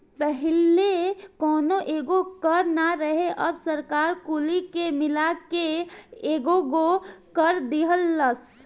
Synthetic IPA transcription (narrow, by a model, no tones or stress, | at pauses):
pəɦɪlekɔːnoʔeːɡokəɾnaɾəɦeʔəbsəɾkaːɾkulikemɪlakeeːɡoɡokəɾd̪iɦəlːəs